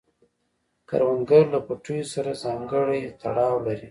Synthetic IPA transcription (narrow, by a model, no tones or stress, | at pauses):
ka̰ɾwaŋɡaɾlapaʈujosaɾazɑŋɡəɽajt̪a̰ɽɑwlaɾi